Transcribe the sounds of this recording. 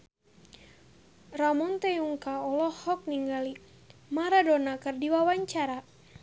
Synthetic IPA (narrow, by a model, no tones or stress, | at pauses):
ramɔnt̪ɛuŋkaɔlɔhɔk̚niŋɡali | maɾadɔnakɨrdiwawaɲt͡ʃaɾa